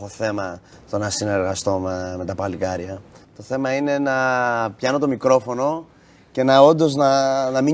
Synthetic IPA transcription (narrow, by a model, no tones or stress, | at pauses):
oθe̞mɐ | t̪o̞nɐsine̞ɾɣɐst̪o̞meme̞t̪ɐpɐlikɐɾʝɐt̪o̞θe̞mɐine̞nɐpçɐnot̪̬o̞mikɾo̞fo̞no̞ | ce̞nɐo̞nd̪o̞znɐnɐmi